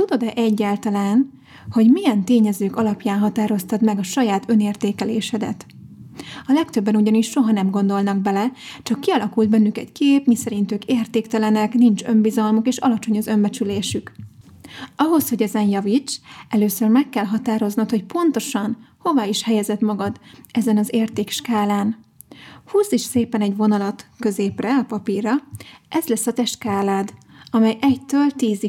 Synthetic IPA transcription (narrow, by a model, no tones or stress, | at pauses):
t̪ud̪o̞d̪ɛʔɛɟːaːlt̪ɒlaːn | ho̞ɟmijɛnt̪eːɲɛzøːkɒlɒpjaːnɦɒt̪aːɾo̞st̪ɒt̪mɛɡɒʃɒjaːt̪ø̞neːrt̪eːkɛleːʃɛd̪ɛ̰t̪ | ɒlɛkt̪øbːɛnuɟɒniʃːo̞ɦɒnɛmɡo̞nd̪o̞lnɒɡ̚bɛlɛt͡ʃɒkːiɒlɒkult̪bɛnːykɛ̰ckeːpmisɛɾint̪øːkeːrt̪eːkt̪ɛlɛnɛknint͡ʃø̞mbizɒlmukeːʃɒ̰lɒt͡ʃo̞ɲɒzø̞mbɛt͡ʃyleːʃyk | ɒɦo̞sho̞ɟɛzɛnjɒvit͡ʃɛløːsørmɛkːɛlɦɒt̪aːɾo̞znɒt̪ho̞cpo̞nt̪o̞ʃɒnho̞vaːiʃhɛjɛzɛt̪mɒɡɒd̪ɛzɛnɒzeːrt̪eːkʃkaːlaːn | huːsiʃseːpɛnɛɟvo̞nɒlɒt̪kø̞zeːprɛɒpɒpiːrɒɛzlɛsːɒt̪ɛʃt̪kaːlaːd̪ | ɒmɛjʔɛct̪øːlt̪iːzi